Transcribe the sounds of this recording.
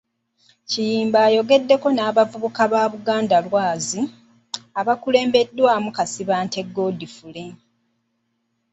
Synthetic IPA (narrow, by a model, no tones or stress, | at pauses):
cijiːmbaːjo̞ɡe̞dːe̞ko̞naːβavuβukaβaːβuɡaːndalwaːzi | aβakule̞ːmbe̞dːwaːmukasiβaːnte̞ɡo̞ːdifule